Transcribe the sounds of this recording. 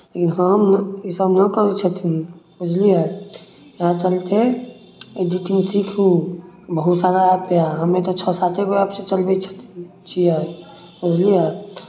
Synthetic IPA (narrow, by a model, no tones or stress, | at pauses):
lekinɦəmɪsəbnəkəɾet͡ʃʰət̪ʰinbʊd͡ʒlija | jãt͡ʃəlt̪e | ɖiʈimsikʰɦũbəɦut̪saːɾaapejaɦəmẽt̪ot͡ʃʰɔsat̪ekoiapset͡ʃəlbet͡ʃʰə̥t̪ʰ | t͡ʃʰija | ʊd͡ʒlija